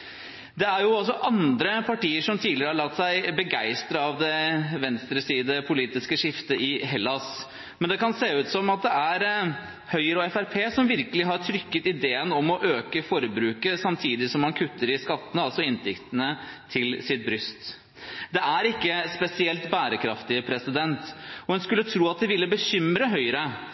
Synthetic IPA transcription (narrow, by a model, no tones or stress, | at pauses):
d̪ɛæɾjʊɑls̬ɔʔɑnd̪ɾəpʰɑʈiːəʂɔmt̪ʰiːd̪lɪɾəhɑɾɭɑt̪ːsæɪbəɡæɪst̪ɾəɑʋd̪ɛʋɛnst̪ɾəsiːd̪əpʰʊliːt̪ɪskəʂɪft̪əʔɪɦɛlːɑs | mɛnd̪ɛkɑnseːʉːt̪sɔmɑt̪̚d̪ɛæɾ | hœʏəɾəɔɛfæɾpʰeːsɔmʋɪɾkəlɪɦɑʈʰɾʏkːət̪ɪd̪eːənɔmɔʔøːkəfɔɾəbɾʉːkəsɑmt̪ʰiːd̪ɪsɔmhɑnkʰʉt̪ːəɾɪskɑt̪ːənəɑlsɔɪnt̪ʰɪkt̪ənət̪ʰɪlsɪt̪̚bɾʏst̪ | d̪ɛæɾɪkːəspɛsɪɛlt̪bæːɾəkʰɾɑft̪ɪpʰɾɛsɪd̪ɛnt̪ɔhʉnskʉlːət̪ʰɾuːɑt̪̚d̪ɪʋɪlːəbəçʏmɾəɦœʏəɾə